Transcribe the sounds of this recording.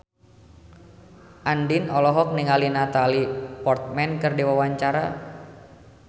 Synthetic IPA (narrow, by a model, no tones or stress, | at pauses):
ʔandinɔlɔɦɔk̚niŋalinat̪alipɔrt̪̚mɛnkɨrdiwawaɲt͡ʃaɾa